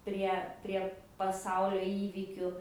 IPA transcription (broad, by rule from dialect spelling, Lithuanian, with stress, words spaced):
ˈpʲrʲiɛ ˈpʲrʲiɛ pɐˈsɐʊlʲoː ˈiːʋʲiːkʲʊ